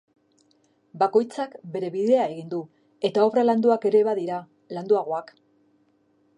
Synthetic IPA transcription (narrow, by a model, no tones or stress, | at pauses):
bako̞jt͡sakbe̞ɾe̞βiðe̞ae̞ɣind̪u | e̞t̪ao̞βraland̪uake̞ɾe̞βaðiɾa | land̪uaɣ̞o̞ak